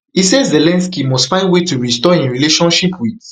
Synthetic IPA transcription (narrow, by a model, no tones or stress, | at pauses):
isezelɛ̃nskimɔstfãɪ̃ndwetuɹistɔĩnɹileʃɔ̃nʃipʰwið